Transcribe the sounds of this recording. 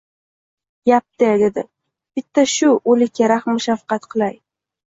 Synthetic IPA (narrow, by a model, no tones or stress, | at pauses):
jap̚t̪ed̪ed̪ɪ | b̥ɪt̪ʰːaʃʊolɪkʲːaɾaχmːʊʃafqɑt̪qʰɨlˠaj